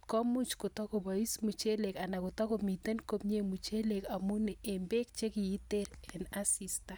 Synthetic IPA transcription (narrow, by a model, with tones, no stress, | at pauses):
kɔ˦mu˦t͡ʃko˨tɔ˦ko˨ba˨i˦smu˨t͡ʃe˦le˨ka˨na˨ku˨tɔ˦ko˨mi˨te˦nko˦pɲe˦mu˨t͡ʃe˦le˨ka˨mu˦ne˨e˨mbe˦k̚t͡ʃe˦ki˨i˦te˦ɾɛ˨na˦si˦sta˦